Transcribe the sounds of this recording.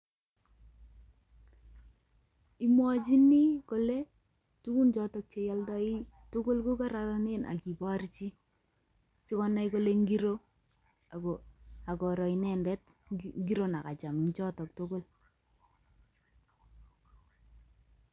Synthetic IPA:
i˦mwɔt͡ʃi˦ni˦ko˨le˦ | tu˦ku˦nt͡ʃɔ˦tɔ˨k̚t͡ʃe˨ja˦ldɔ˦i˦ | to˦ɡo˦lko˦ka˦ɾa˨ɾɔ˦ne˦nʔa̰˨ki˨ba˦ɾt͡ʃi˦ | si˦kɔ˦na˦iko˦le˦ŋɡi˦ɾo˦ | a˨ɡo˨a˨kɔ˨ɾɔ˨inɛ˨ndɛ˦t̚ | ŋɡi˦ɾo˦na˨ka˨t͡ʃa˨mnt͡ʃɔ˦tɔ˨k̚to˦ɡo˦l

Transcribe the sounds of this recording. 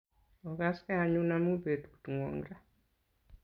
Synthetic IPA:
ɔ˨ɡa˦ska˦a˨ɲu˦na˦mu˦be˨tu̥˨tu˨ŋɔ̰˨ŋɾa˦

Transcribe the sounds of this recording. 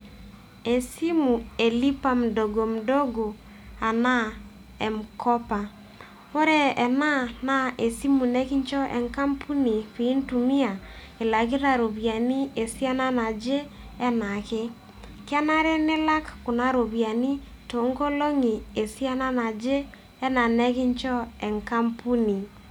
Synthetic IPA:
e˨si˦mu˨e˨li˦pa˦m̩˨do˨ɡo˨m̩˨do˦ɡo˨ | a˨na˦ | ɛ˨m˨kɔ˦pa˨ | o˦ɾɛ˦ɛ˨na˦na˦e˨si˦mu˨nɛ˦ki˦ɲt͡ʃɔ˦ʔɛ̰˨ŋka˦mpʰu˦ni˨pi˨˦ntu˨mi˦a˨ | e˨la˨ki˦ɾa˨ɾo˨βja˨ni˦e˨si˦a˦na˦na˨d͡ʒe˦ | ɛ˦na˨ke˦ | kɪ˦a˦na˦ɾɛ˦nɪ˦la˦kkʊ˨na˦ɾo˨βja˨ni˦ | to˨˦ŋɡo˦lo˦ŋi˨e˨si˦a˦na˦na˨d͡ʒe˦ | ɛ˦na˨nɛ˦kɪ˦ɲt͡ʃɔ˦ɛ˨ŋka˦mpu˦ni˨

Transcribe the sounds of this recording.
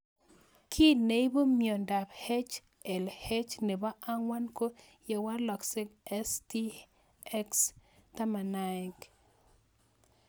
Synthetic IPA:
kʰi˦ne˨i˦bo˦mjɔ˨nda˨bhe˦t͡ʃ | ɛ˨lhe˦t͡ʃne˨ba˦ʔa˦ŋwa˦nko˦ | jɛ˨wa˦lɔ˨ksɪ˦ɡɛ˦sti˦ | ɛ˦ksta˦ma˨na˨ɪ˨k

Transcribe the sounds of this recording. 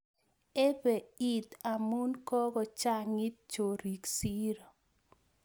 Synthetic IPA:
e˦be˨i˦t̪a˨mu˦nkɔ˦ɡɔ˨t͡ʃa˦ŋi˦t̚t͡ʃo˨ɾi˨ksi˦ɾo˨

